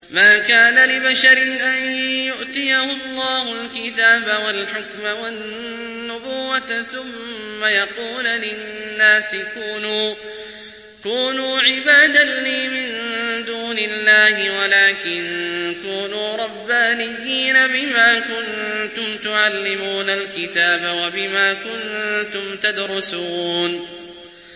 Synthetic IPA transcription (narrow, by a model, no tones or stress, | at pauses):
maːkaːnalɪbaʃaɾɪnʔanjʊʔt̪ɪjahʊlːɑːhʊlkɪt̪aːbawalħʊkmawanː | ʊbuːwːaθʊmːajɑquːllɪnːaːsɪkuːnuː | kuːnuːʕɪbaːd̪aliːmɪnd̪uːnɪlːaːhɪwalaːkɪnkuːnuːɾˤɑbːaːnɪjːiːnabɪmaːkʊnt̪ʊmt̪ʊʕalːɪmuːnalkɪt̪aːbawabɪmaːkʊnt̪ʊmt̪ad̪ɾʊsuːn